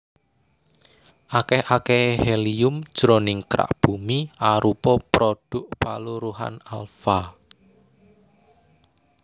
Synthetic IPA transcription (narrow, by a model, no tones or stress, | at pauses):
ʔakɛhakɛhheliʊmd̥ʒ̥ɾonɪŋkɾa̰ʔb̥umiaɾupɔpɾoɖ̥ʊʔpa̰luɾuɦa̰nalfa